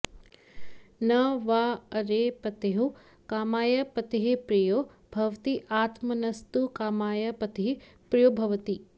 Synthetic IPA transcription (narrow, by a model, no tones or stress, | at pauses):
nɐʋaːɐɾeːpɐt̪eɦu | kaːmaːjɐpɐt̪iɦipɾijoː | b̥ʱɐʋt̪iʔaːt̪mɐnɐst̪ukaːmaːjɐpɐt̪iɦi | pɾijoːbʱɐʋt̪i